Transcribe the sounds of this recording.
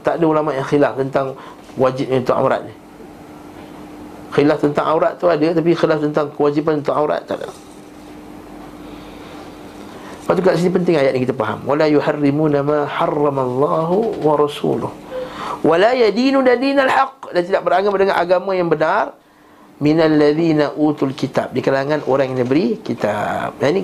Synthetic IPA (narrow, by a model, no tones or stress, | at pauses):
t̪aʔdaulamaʔjaŋxilaft̪ənt̪aŋ | wad͡ʒɪp̚unt̪ʊka̰wɾa̰t̪̚ni | xilaft̪ənt̪aŋʔawɾat̪ːuadat̪ap̬ixilaft̪ənt̪aŋkəwad͡ʒibanunt̪ʊkawɾa̰t̪ːa̰ʔda̰ | paʔt̪ukaʔsinipənt̪ɪŋajaʔ̪̚nikit̪apaɦa̰mwalajuħarːimunamaħɑrːɑmalˤːɑɦuwaɾɑsṵlʊ̰hwalajadinudadinalħɑqdant̪idaʔ̚bəɾaŋəp̚dəŋanʔa̰ɡamãjaŋbənar | minalːaðiːnaʔuːt̪ulkit̪a̰p̚dikalaŋãnʔoɾaŋjnabəɾikit̪a̰p̚jani